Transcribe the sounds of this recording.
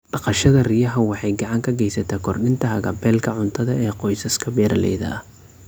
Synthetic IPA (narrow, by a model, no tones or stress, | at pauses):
b̥ɑqɑʃɐðɐrɪjɐɦɐwɑħɑjɡɑʕɑŋkʰɐɡɛjsɐt̪ʰaːkʰɔrɗɪnt̪ʰɐɦɐɣɐpʰɛːlkʰɐʕʊnt̪ʰɐðɐɛːqɔjsɐskʰɐbɛːɾɐlɛ̰jðɐ̰ɐ